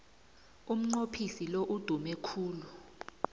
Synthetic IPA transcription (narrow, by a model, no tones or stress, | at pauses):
um̩ŋ͡ǀopʰisiloʔud̥ʱumɛkʰuːlu